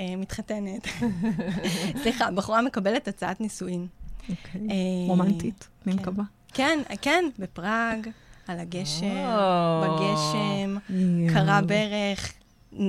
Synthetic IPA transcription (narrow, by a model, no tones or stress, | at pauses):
emit̪χatenet | sliχabaχoʁame̞kabe̞letat͡saʔatnisuimokʰeomant̪it̪ | mmkaba | kenkenbepʁaɡalaɡeʃembeɡe̞ʃemkaʁabeʁeχ